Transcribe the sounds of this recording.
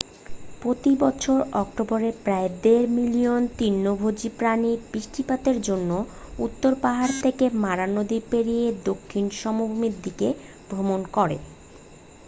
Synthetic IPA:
pɾot̪ibɔt͡ɕʰoɾɔkʈoboɾepɾaed̪eɾmilijont̪inːobʱod͡ʑipɾanibiʃʈʰipat̪eɾd͡ʑonːo | ut̪ːoɾpaɦaɾt̪ʰekemaɾanod̪ipeɾijed̪okʰːinʃɔmobomiɾd̪ike | bʱɾomonkɔɾḛ

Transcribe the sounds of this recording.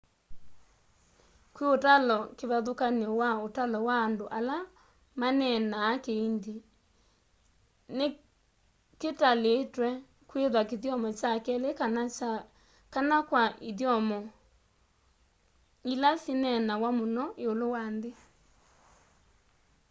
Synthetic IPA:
kweotalɔkeβaðokaneɔwaotalɔwaːndoʔala | manɛnaːkeindi | ne | ketaleːtwɛ | kweðwakeðjɔmɔt͡ʃakɛlek | kanakwaʔeðjɔmɔ | ilasinɛnawamonɔʔeolowande

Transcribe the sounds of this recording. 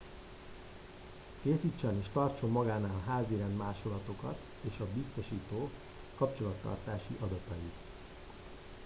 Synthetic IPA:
keːsiːt͡ʃːɛmeːʃt̪ɒrt͡ʃo̞mːɒɡaːnaːlɦaːziɾɛnd̪maːʃo̞lɒt̪o̞kɒ̰t̪ | eːʃɒbist̪o̞ʃiːt̪oː | kɒpt͡ʃo̞lɒt̪ːɒ̰rt̪aːʃḭʔɒd̪ɒt̪ɒjit̪

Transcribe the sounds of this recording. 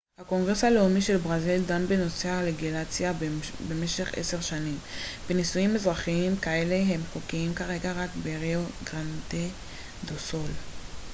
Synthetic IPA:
hako̞ŋɡʁeshale̞umiʃe̞lbʁazildanbeno̞sealeɡilat͡sjabe̞me̞ʃe̞χḛse̞ʁʃanimbenisujimːezʁaχiimkae̞le̞ɦe̞mχokiimkaʁe̞ɡaʁakbeʁeoɡʁant̪e | d̪oso̞l

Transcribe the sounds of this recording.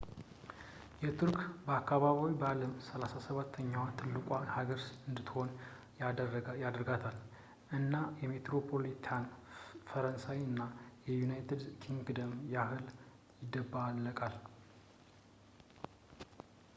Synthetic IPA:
jɛt̪ʰuɾkbəakːaβaβiwibəaləmsəlasasəβat̪ʰːəɲːawat̪ʰɨlːɨkʼahaɡəɾsɨnd̪ɨt̪ːho̞n | jad̪ɾɡat̪ʰal | ʔɨnːajɛme̞t̪ɾo̞pʰo̞lit̪ʰanfəɾənsawiɨnːajɛjunajt̪ʰed̪kʰiŋɡd̪əmjahɨl | jɪd̪ːəbːaalːəkʼal

